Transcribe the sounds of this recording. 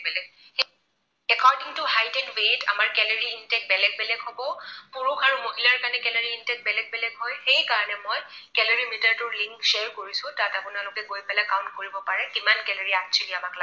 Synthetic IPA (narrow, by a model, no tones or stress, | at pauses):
bɛlɛɡ | ɛkʰɔɹdiŋtuhajdɛnweta̰maɹkɛloɹiːntɛk̚bɛlɛɡ̚bɛlɛɡɦobɔpuɹukaɹumoɦilaɹkanɛkɛloɹiintɛk̚bɛlɛɡ̚bɛlɛɡɦɔjxejkaɹɔnɛmojkɛloɹimitɛɹtʊɹliŋkseɹkoɹisʊ̃tatapʊnalʊkɛɡojpɛlɛkaʊ̃ntkoɹibɔpaɹɛkimankɛloɹiatt͡ʃʰiliamakla